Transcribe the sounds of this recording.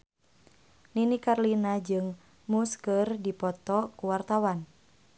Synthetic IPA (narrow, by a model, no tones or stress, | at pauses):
ninikarlinad͡ʒɨŋ | muskərdipɔt̪ɔkuwart̪awan